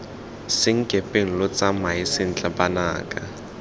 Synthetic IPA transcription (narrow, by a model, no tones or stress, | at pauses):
sɪŋ̩kʼepʼeŋ̩lʊt͡samaɪsɪn̩t͡ɬʼabanaːkʼa